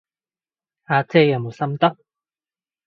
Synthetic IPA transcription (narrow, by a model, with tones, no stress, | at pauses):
a˨˧t͡sʰe˧ja˨mu˨˩sa˥˧mt̪ɔ˦